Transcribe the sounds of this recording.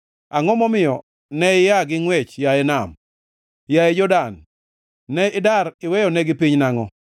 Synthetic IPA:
aŋɔmɔmɪjɔ | nɛɪjaɡɪŋwɛt͡ʃjaɛnam | jaɛd͡ʒɔdan | nɛɪdaɾɪwɛjɔnɛɡɪpiɲnaŋɔ

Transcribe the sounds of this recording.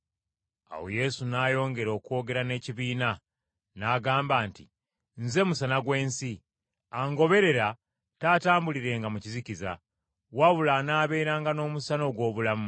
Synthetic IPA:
a̰wo̰je̞sunaːjo̞ːŋɡe̞ɾo̞ːkuo̞ːɡe̞ɾane̞ːciβiːna | naːɡaːmbaːntḭ | nze̞musanaɡwe̞ːnsi | aŋɡo̞βe̞ɾe̞ɾa | taːtaːmbuliɾe̞ːŋɡamuciziciza̰ | waβulanaːβe̞ːɾaːŋɡano̞ːmusano̞ɡwo̞ːβulamu

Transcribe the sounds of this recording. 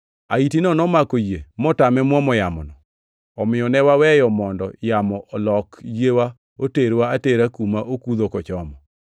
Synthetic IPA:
a̰itinɔnɔmakojemɔtamɛmwɔmɔjamɔ̰nɔ | ɔmɪjɔnɛwawɛjɔmɔndɔjamɔʔɔlɔkjewa | oteɾwaːteɾakumaʔokuðokɔt͡ʃɔmɔ

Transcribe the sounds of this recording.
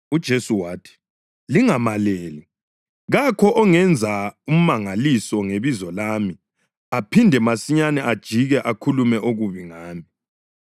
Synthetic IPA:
ud̥ʒ̥ʱesuwaːtʰi̥ | liŋamaleːli | ɣakʰɔʔɔŋɛnd͡zʱaum̩maŋalisɔŋeβizɔlaːmi | apʰindʱɛmasiɲanɛʔad̥ʒ̥ʱiɣɛʔakʰulumɛʔoɣuβiŋaːmi

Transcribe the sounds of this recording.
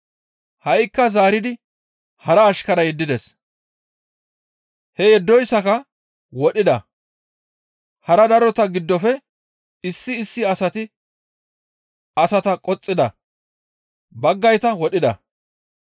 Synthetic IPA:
hɐjkːɐzaːɾɪd̪ɪ | hɐɾɐːʃkɐɾɐjɛd̪ːɪd̪ɛs | hɛjɛd̪ːɔjsːɐkɐ | wɔɗɪd̪ɐ̰ | hɐɾɐd̪ɐɾɔt̪ɐɡɪd̪ːɔfɛ | ɪsːɪːsːɪɐsɐt̪ɪ | ɐsɐt̪ɐkʼɔt͡sʼːɪd̪ɐ̰ | bɐɡːɐjt̪ɐwɔɗɪd̪ɐ̰

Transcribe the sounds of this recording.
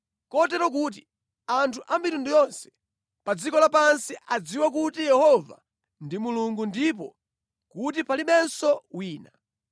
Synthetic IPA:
kɔtɛɾɔk̬uːt̬i | antʰuʔamitundujɔnsɛ̥ | pad͡zikɔlapansiʔad͡ziwakutijɛhɔva̰ | ndimuluŋɡundip̬ɔ̰ | kut̬ipaliɓɛnsɔwiːna

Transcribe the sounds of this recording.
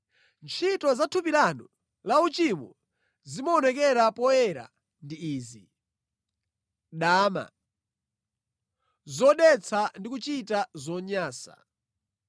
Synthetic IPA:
nt͡ʃʰitɔzatʰupilanɔ | laut͡ʃimɔ | zimɔnɛk̬ɛɾapɔɛɾa̰ | ndiiːzi | ɗaːma̰ | zɔɗɛt͡sʰandikut͡ʃitazɔɲaːsa̰

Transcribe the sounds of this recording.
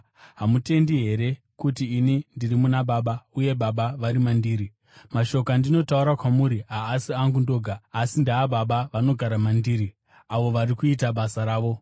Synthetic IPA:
ɦamute̞ndiɦe̞ɾe̞ | kutiːnindirimunaɓaɓauje̞ɓaɓaʋaɾimandiːɾi | maʃo̞kandino̞tauɾakwamuɾiɦaːsiaŋɡundoɡʱaːsindaːɓaɓaʋano̞ɡʱaɾamandiːɾi | aʋo̞ʋaɾikuitaɓasaɾaːʋo̞

